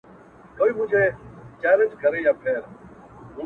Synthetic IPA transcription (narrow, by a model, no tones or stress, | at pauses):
koːiːmũːd͡ʒʱeːt͡ʃaːɾet͡ʃɡʱəɾeːjaːpʰeːɾ | ɦũː